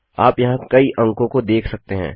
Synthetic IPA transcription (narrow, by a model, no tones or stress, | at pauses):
aːpjɐɦãkɐiʔɐ̃ŋkõkod̪eːkʰsɐk̚t̪eɦɛ̰̃ː